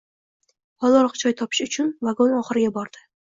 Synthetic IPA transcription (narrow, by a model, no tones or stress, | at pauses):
hɒlˠɒɾqt͡ʃʰɒjt̪ʰɒpʰɪ̥ʃʊt͡ʃʰʊnvaɡonɒχɨɾɪɡʲabɒɾd̪ɪ